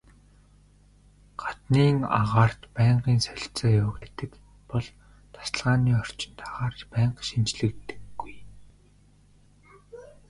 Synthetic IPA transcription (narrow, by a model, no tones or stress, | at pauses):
ɢ̥ḁt̪niːŋa̰ʁaːr̥t̪pæːɴɢiːnsœɮt͡sɔːjʊːɣæːt̪ɘ̆k | pɔɮ | t̪ʰḁsə̆ɮʁaːniːɔr̥t͡ɕɪ̆nt̪aʁaːrt͡ɕpæːɴqʃimt͡ɕɮɘ̆kt̪ɘ̥̆ɡːuj